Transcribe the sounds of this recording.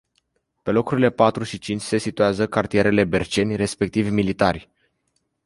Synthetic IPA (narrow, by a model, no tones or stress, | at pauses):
pe̞lo̞kuɾile̞pat̪ɾuʃit͡ʃint͡ʃʲse̞sit̪uazəkart̪ijeɾe̞le̞be̞rt͡ʃe̞nʲre̞spe̞k̚t̪ivʲmilit̪arʲ